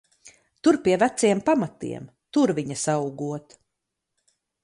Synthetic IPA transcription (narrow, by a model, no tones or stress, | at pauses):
t̪uɾpʲiɛvæt̪siɛmpamat̪ḭɛm | t̪uɾviɲɐsawuɡuɔt̪